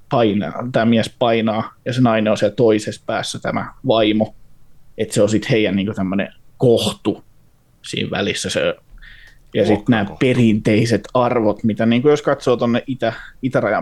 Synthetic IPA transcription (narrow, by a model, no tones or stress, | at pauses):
pɑinɑ̰ːt̪æːmiæspɑinɑːjɑsenɑineosɑt̪oisespæ̰ːsːæt̪æmæ̰ʋɑimo | et̪seosit̪heijænniːŋkut̪æmːønḛkoht̪u | sḭːʋʋæ̰lisːæsḛ | jɑsit̪næːpperint̪eiset̪ɑrʋot̪mit̪æniːŋkujoskɑt̪soːt̪onːeʔʔit̪æit̪ærɑjɑ̰